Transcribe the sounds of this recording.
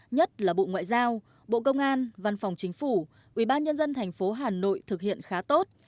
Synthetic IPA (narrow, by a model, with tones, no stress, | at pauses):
ɲə˦˥t̚laː˨˩ɓo̰˧˨ŋwa̰ː˧˨jzaː˧w | ɓo̰˧˨kə˧wŋ͡mʔaː˧nva˧nfa˨˩wŋ͡mt͡ɕï˨˦ŋ̟fu˧˩ | ʔwi˧˩ɓaː˧nɲə˧nzə˧nt̪ʰɛ˨˩jŋ̟fo˨˦ɦaː˨˩no̰˧˨jt̪ʰɨ˨˩k̚hḭ˧˨ənxaː˨˦t̪o˦˥t̚